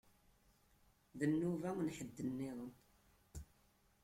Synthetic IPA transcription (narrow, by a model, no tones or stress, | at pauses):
ðənːuvænħəd̪ːənːɪðˤən